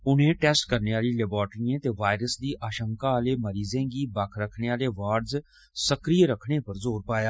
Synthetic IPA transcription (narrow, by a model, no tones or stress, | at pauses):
ʊnẽːʈɛːsʈkəɾneːaːliːlɛbaːɾʈɾiẽːt̪eːʋaːɪɾəsd̪iːʔaːʃə̃ŋkaːaːleːməɾiːzẽːɡiːbakʰɾəkʰɽeːaːleːʋaːɾɖz | səkɾiːɾəkʰɽ̃eːpəɾzoːɾpaːjaː